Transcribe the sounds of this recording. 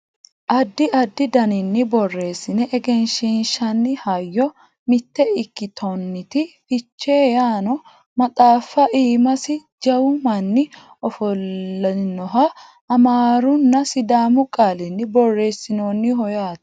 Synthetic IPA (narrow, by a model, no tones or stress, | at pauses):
ʔɐd̪ːɪʔɐd̪ːɪd̪ɐnɪnːɪbɔrːe̞ːsːɪnɛʔɛɡɛnʃinʃɐnːɪhɐjːɔ | mɪt̪ːɛɪkːɪt̪ʰɔnːɪt̪ɪfɪt͡ʃːe̞ːjaːnɔ | mɐt̪ʼaːfːɐʔiːmɐsɪ | d͡ʒɐwʊmɐnːɪ | ɔfɔlːɐnɔɦɐ | ɐmaːɾʊnːɐsɪd̪aːmʊkʼaːlɪnːɪbɔrːe̞ːsːɪnoːnːɪɦɔjaːt̪